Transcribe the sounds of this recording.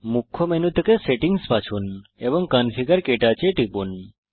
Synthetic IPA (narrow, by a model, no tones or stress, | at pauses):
mukʰːomenut̪ʰːəkeseʈiŋspat͡ʃʰunebɔŋkənfʰiɡəɾkeʈat͡ʃeʈipun